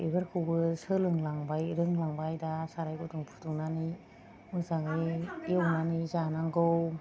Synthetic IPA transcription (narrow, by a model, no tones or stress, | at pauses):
ebɯɾkʰɯwbɯsɯlɯŋlaŋbajɾɯŋlaŋbajdasaɾajɡutɯŋpʰutuŋnani | mɯzaŋɯjiɔwnanizanaŋɡɯw